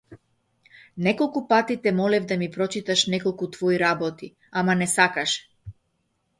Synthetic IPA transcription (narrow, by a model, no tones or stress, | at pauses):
nɛkɔlˠkupat̪it̪ɛmɔlɛvd̪amipɾɔt͡ʃit̪aʃnɛkɔlˠkut̪vɔiɾabɔt̪i | amanɛsakaʃɛ̥